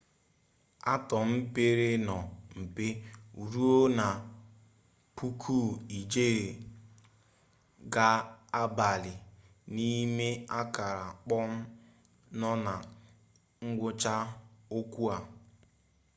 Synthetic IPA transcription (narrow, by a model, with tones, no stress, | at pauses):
a˦tɔ˨m̩˦pe˦ɾe˦nɔ˨m̩˨pe˦u˨ɾu˦o˦na˨ | pu˦kʰu˦˨i˨d͡ʒe˦ɾe˨ | ɡaː˦ba˨lɪ˨ | ni˦me˦a˦ka˨ɾa˨k͡pɔ˦m̩˦ | nɔ˦na˨ | ŋ̩˦ɡʷʊ˦t͡ʃa˦o˦kʷu˦a˨